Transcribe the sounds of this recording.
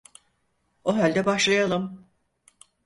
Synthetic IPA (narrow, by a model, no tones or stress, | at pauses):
oɦalʲd̪ɛbaʃlˠajalˠɯm